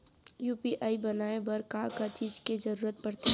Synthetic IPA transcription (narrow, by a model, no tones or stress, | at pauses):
juːpiʔaːibɐnaːebɐɾkaːkat͡ʃiːd͡ʒked͡ʒɐɾuːɾət̪̚pɐɽt̪e